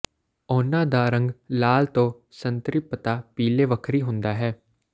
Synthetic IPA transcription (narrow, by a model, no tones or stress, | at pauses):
ɔːnãːd̪aːɾə̃ŋɡlaːlt̪õː | sənt̪ɾɪpːət̪aːpiːleːʋəkʰɾiːɦʊ̃nd̪aːɦɛː